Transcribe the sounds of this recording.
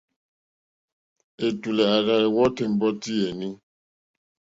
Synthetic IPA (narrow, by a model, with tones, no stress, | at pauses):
e˨tu˨lɛ˨a˨ɣa˦ɛ˨wɔ˦tɛ˨m̩˨bɔ˦ti˦e˨ni˦